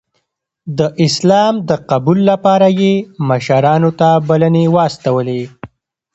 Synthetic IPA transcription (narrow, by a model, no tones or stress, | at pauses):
d̪əʔɪslɑmd̪əqabulːapɑɾajeməʃaɾɑnot̪abalənewɑst̪awəle